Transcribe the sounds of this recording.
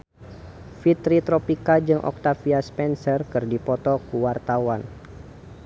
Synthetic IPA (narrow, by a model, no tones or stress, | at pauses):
fit̪ɾit̪ɾɔpikad͡ʒɨŋʔɔ̰k̚t̪afiaspɛnsərkɨrdipɔt̪ɔkuwart̪awan